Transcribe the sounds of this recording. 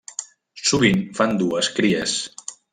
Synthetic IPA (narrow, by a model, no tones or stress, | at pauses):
suβinfand̪uəskɾiəs